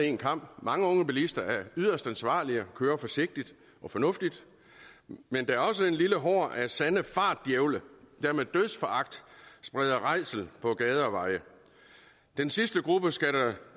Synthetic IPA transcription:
e̝̰ːnkʰɑ̈m̰b̥mɑ̈ŋəɔ̽ŋəb̥ilisd̥ɐæɐyð̞ˠɐsd̥ænsʋɑ̰̈ːliəɒkʰøːɐfɒ̽se̝ɡ̥̚d̥id̥ | ʔɒ̽fɒ̽nɔ̽fd̥id̥ | mend̥ɑ̈æɐɒ̽s̬əe̝nliləɦɒ̰ːʔæsænəfɑ̈ːd̥jeʊləd̥æɐmeðˠd̥øðˠsfɒɑ̈ɡ̥̚d̥sb̥ʁɛð̞ˠɐʁɑ̈ɪsl̩pʰɒ̽ɡ̥ɛːð̞ˠɐʋɑ̈ɪə | d̥ensisd̥əɡ̥ʁub̥əsɡ̥æɾɐ

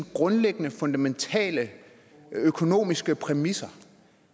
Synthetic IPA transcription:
nɡ̥ʁɔ̽nleɡ̥ənəfɔ̽nd̥æment͡sʰɛ̰ːlə | økʰo̝no̝̰ːmisɡ̥əpʰʁɛmisɐ

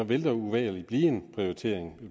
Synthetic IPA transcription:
ɒ̽ʋe̝ld̥ɑɐuʋɛ̰ːlib̥liːe̝npʰʁioit͡sʰe̝̰ɐ̰eŋ

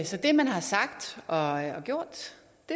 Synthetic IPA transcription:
sɒ̽d̥e̝mænhɑ̈sɑ̈ɡ̥d̥ʔɒ̽ɒ̽ɡ̥jo̝ɐ̰d̥ | e̝

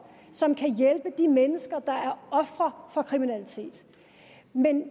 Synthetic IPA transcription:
sɒ̽mkʰæjelb̥əd̥imenəsɡ̥ɐd̥ɑ̈æɐɒ̽fʁɐfɒ̽kʰʁiminælit͡sʰe̝̰ːd̥ | men

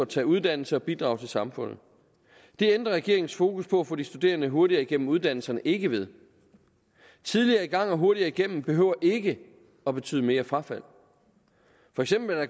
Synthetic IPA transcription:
t͡sʰɛ̰ːuð̞ˠd̥æn̰l̩səɒ̽b̥id̥ʁɑ̈ʊt͡sʰe̝lsɑ̈mfɔ̽n̰ð̩ˠ | d̥e̝end̥ʁɐʁɛɡ̥e̝ɐeŋn̩sfo̝ːkuspʰɒ̽æfɔ̽ːd̥isd̥ud̥e̝̰ːɐnəɦo̝ɐɾiɐiɡ̥en̰m̩uð̞ˠd̥æn̰l̩sɐnəʔe̝ɡ̥əʋe̝ð̞ˠ | t͡sʰiðˠliɐːiɡ̥ɑ̈ŋ̰ɒɦo̝ɐɾiɐiɡ̥en̰m̩b̥e̝ɦø̰ʊ̰ɐʔe̝ɡ̥ə | ɒ̽b̥e̝t͡sʰy̰ð̰ˠme̝ːɐfʁɑ̈fæl̰ | fɒ̽eɡ̥sem̰b̥l̩dɑ

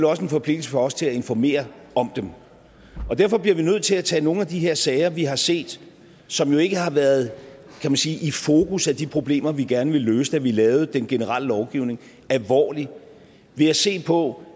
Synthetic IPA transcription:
lɒ̽səe̝nfɒ̽pʰle̝ɡ̥l̩səfɒ̽ɒ̽st͡sʰe̝læe̝nfɒme̝̰ːɐ | ɒ̽md̥em | ɒ̽d̥æɐ̰fɒ̽b̥liɐʋinøð̰ˠt͡sʰe̝læt͡sʰɛ̰ːno̝ːn̩æd̥iɦe̝ɐsɛɪɐʋiɦɑ̈se̝̰ːd̥ | sɒ̽mjo̝e̝ɡ̥əhɑ̈ʋæɐð̞ˠ | kʰæmænsiːʔifo̝ːkʰusæd̥ipʰʁo̝b̥le̝̰ːmɐʋiɡ̥æɐnəʋe̝løːsəd̥æʋilɛːʊd̥enɡ̥e̝nəʁɑ̈l̰əlɒʊɡ̥iʊ̰ne̝ŋ | ælʋɒ̰ːli | ʋe̝æse̝̰ːpʰɒ̽

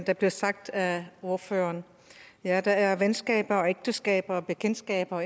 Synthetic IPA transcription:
d̥ɑ̈b̥liɐsɑ̈ɡ̥̚d̥æo̝ɐfø̰ːɐːn | jæd̥ɑ̈æɐʋensɡ̥ɛ̰ːb̥ɐɒ̽eɡ̥̚d̥əsɡ̥ɛ̰ːb̥ɐːb̥ekʰen̰sɡ̥ɛ̰ːb̥ɐɒ

